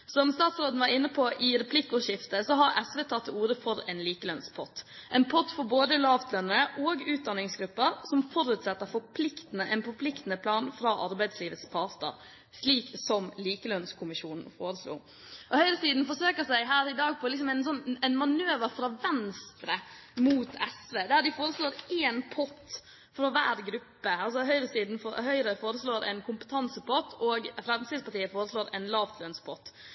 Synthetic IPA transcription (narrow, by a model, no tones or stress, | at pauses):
sɔmst̪ɑːt̪sɾoːd̪n̩ʋɑɾɪnːəpʰɔʔɪɾɛpʰlɪkːɔʂɪft̪əsɔɦɑɾɛsʋɛːt̪ʰɑt̪ːɪuːɾəfɔɾɛnliːkəlœnspʰɔt̪ːʔɛɪnpʰɔt̪ːfɔɾboːd̪əlɑːʋt̪ʰlœnːəɾəʔoːɡʉːt̪̚d̪ɑnːɪŋsɡɾʉpːəɾsɔmfɔɾʉːt̪sɛt̪ːəɾfɔɾpʰlɪkt̪nəʔɛnfɔɾpʰlɪkt̪ənəpʰlɑːnfɾɑːʔɑɾbæɪd̪sliːʋət̪spʰɑt̪ə̰ɾ | ʂliːksɔmliːkəlœnskʰʊmɪʂuːnn̩foːɾəslṵː | ʔɔhœʏɾəsiːd̪n̩fɔʂøːkəɾsæɪɦæːɾɪd̪ɑːɡ̚pʰɔlɪks̬ɔmɛnsɔnæɪnmɑnøːʋəɾfɾɑʋɛnst̪ɾəmuːt̪ʰɛsʋeːd̪æɾd̪ɪfoːɾəsloːɾeːnpʰɔt̪ː | fɾɔʋæ̰ːɾɡɾʉpːəɑls̬ɔɦœʏɾəsiːd̪n̩foɦœʏɾəfoːɾəsloːɾʔɛ̰ɪnkʰʊmpə̥t̪ʰɑnsəpʰɔt̪ʰːoːɡfɾɑmsiːspɑɾt̪ʰiːəfoːɾəsloːɾæ̰ɪnlɑːʋt̪ʰlœnspʰɔt̪ː